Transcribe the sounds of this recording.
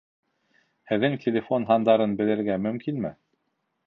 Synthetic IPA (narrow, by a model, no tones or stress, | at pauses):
hɘ̆ðːɘŋtʲʰelʲefo̞nɦɑnd̪ɑɾɤnbɘ̆lɘ̆ɾɡæmɵ̆mkinmɘ